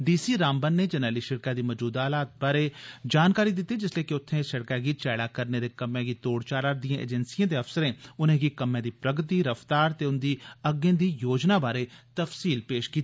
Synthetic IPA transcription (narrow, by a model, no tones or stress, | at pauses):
ɖiːsiːɾaːmbənːeːd͡ʒənəːliːʃəɽkaːd̪iːməd͡ʒuːd̪aːlaːt̪̚baːɾeːd͡ʒaːnkaːɾiːd̪ɪt̪ːiːd͡ʒɪsleːkɪʊt̪ʰːẽːsəɽkaːɡiːt͡ʃɛːɽaːkəɾneːd̪eːkəmẽːɡiːt̪oːɽt͡ʃaːɾaːɾd̪ijãːʔḛːd͡ʒənsijãːd̪eːəfsəɾẽːʊnẽːɡiːkəmẽːd̪iːpɾəɡt̪iːɾəft̪aːɾt̪eːʊnd̪iːəɡẽːd̪iːjoːd͡ʒnaːbaːɾeːt̪əfsiːlpeːʃkiːt̪ːiː